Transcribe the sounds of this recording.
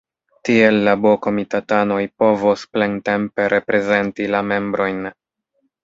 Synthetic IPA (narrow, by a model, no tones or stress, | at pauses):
tie̞lːaboko̞mitatano̞jpo̞vosplente̞mpe̞ɾʔe̞pɾe̞ze̞ntilame̞mbɾo̞jn